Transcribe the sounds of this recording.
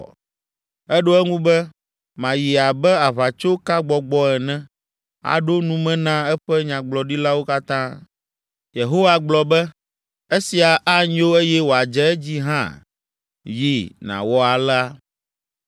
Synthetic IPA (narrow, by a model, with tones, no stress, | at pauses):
ɛ˦ɖo˦ɛ˦ŋũ˦bɛ˦ | mã˨ji˨a˨bɛ˦a˨βa˨t͡ʃo˦ka˦ɡ͡bɔ˨ɡ͡bɔ˦ɛ˨nɛ̃˦ | a̰˨ɖo˦nũ˦mɛ̃˦nã˦ɛ˦ɸɛ˦ɲã˨ɡ͡blɔ˨ɖi˦la˦wo˦ka˦t̪ã˦ | je˨ɦo˦wa˨ɡ͡blɔ˨bɛ˦ | e˦si˨a˨ʔa˦ɲĩ˦o˦e˦jɛ˦wo˨a˨d͡ʒɛ˦ɛ˦d͡ʑi˦ɦã̰˦ | ji˦nã̰˨wɔ˦a˨la˦